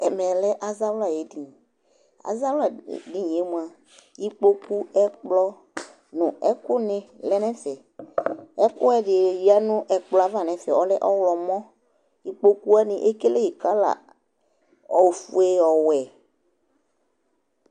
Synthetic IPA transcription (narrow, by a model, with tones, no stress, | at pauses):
ɛ˨mɛ̃˨lɛ˦ʔa˦za˦wla˨je˨di˨ | a̰˨za˦wla˨di˦ɲĩ˨e˦mũ˨˦a˨ | ji˦k͡po˦ku˦ɛ˦k͡plɔ˦ | nʊ̃˨ɛ˦kʊ˦nɪ̃˨lɛ˦nɛ̃˦sɛ˨ | ɛ˦kʊ˦ɛ˦dɪ˨ji˨˦a˦nʊ̃˦ʔɛ˨k͡plɔ˨a˨va˦˨nɛ̃˨sɛ̰˨ɔ˨˦lɛ˦ʔɔ˦wlɔ˨mɔ̃˦ | ji˦k͡po˦ku˦a˦nĩ˨ʔe˦ke˦le˦ji˨ka˦la̰˨ | ɔ˨wfu˦e˦ɔ˨wɛ˨